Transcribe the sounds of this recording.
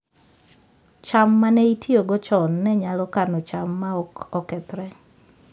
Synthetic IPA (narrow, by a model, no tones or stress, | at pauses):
t͡ʃamːanɛitjoɡɔt͡ʃɔnːɛɲalɔkanɔt͡ʃamːaɔkɔkɛt̪ɾɛ